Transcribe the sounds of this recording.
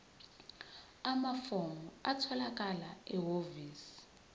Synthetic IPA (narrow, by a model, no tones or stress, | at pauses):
amafomuatʰɔlak̬ʼalaɛɦoviːsi̥